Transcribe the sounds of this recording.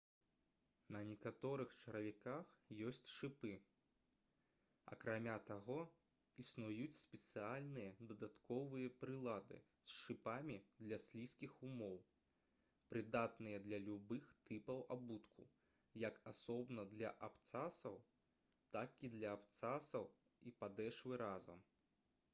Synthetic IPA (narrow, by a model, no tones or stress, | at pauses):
nɐnʲɛkat̪ɔɾɨxt͡ʂɐɾɐvʲɛkaxjɔsʲt͡sʲʂɨpɨ | ɐ̰kɾamʲat̪aɣɔ | isnujut͡sʲsʲpʲɛt̪sɨalʲnɨjɐd̪ɐd̪at̪kɔvɨjɐpɾɨlˠad̪ɨ̰ | sʂɨpamʲid̪lʲɐsʲlʲiskʲixumɔw | pɾɨd̪at̪nɨjɐd̪lʲɐlʲubɨxt̪ɨpɐwabut̪ku | jɐkasɔbnɐd̪lʲɐ̰ʔapt̪sasɐw | t̪akid̪lʲɐapt̪sasɐw | ipad̪ɛʂvɨɾazɐ̰m